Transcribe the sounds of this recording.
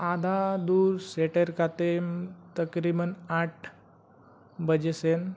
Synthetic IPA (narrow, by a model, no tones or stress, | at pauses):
ad̪ʱad̪uːɾseʈəɾkat̪emt̪əkɾibənaʈ̚ʰ | bəd͡ʑesen